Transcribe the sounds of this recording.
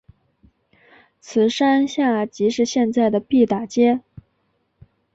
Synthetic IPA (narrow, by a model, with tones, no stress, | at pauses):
t͡sʰɹ̩˨˩ʂa˥nɕja˥˩t͡ɕi˧˥ʂɻ̩˥˧ɕjɛ˥˧nt͡sa˥˩ɪd̪ə˩pi˥˩t̪a˨˩t͡ɕjɛ˥